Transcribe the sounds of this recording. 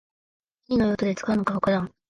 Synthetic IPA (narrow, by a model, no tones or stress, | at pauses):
kʲiɲʲino̞jot̪od̪e̞t͡sɨ̥kaɯnokaokad̪ãŋ